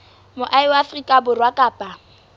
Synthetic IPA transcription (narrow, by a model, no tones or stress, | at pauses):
mʊʔaɪwaːfrikʼabʊrwakʼaːpʼa